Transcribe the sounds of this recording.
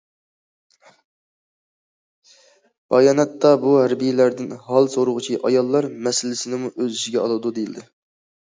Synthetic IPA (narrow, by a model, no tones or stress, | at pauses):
b̥ɑjɑːnɛt̪ːɑbuhæɾbijɪlæɾd̪ɪnɦɑlˠsoɾʊʁʊt͡ʃʰiʔɑjɑlˠːɑɾmɛsɪlɪsɪnɪmuʔøzyʃiɡʲɛɑ̰lˠɨd̪ud̪ejilʲd̪ɪ